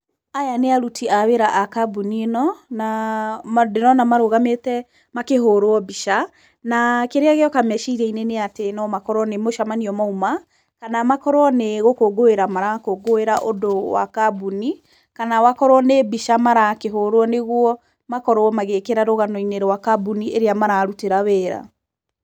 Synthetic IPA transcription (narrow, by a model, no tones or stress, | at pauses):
ajaneaɾutʰiaweɾaʔakabunienɔna | deɾɔnamaɾoɣametɛ | makeɦoɾoɔbiʃa | nakeɾeaɣeɔkamɛʃiiɾɛineneatenɔmakɔɾwɔnemoʃamaniɔmauma | kanamakɔɾwɔneɣokoɡoeɾamaɾakoɡoeɾaʔodowa̰kabuni | kanawakɔɾwɔnebiʃamaɾakeɦoɾoɔneɣwɔ | makɔɾwɔmaɣekeɾaɾoɣanɔineɾwakabunieɾeamaɾaːɾuteɾaweːɾa̰